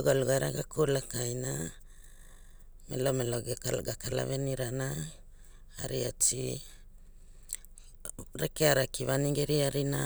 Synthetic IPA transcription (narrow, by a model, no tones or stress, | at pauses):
uɡaluɡajɾa̰ɡakulakajna | mḛlo̞meloɡɡakala̰βeniɾanaː | ɾia̰t͡ʃi | ɾekeaɾakiβaniŋɡeɾiaɾina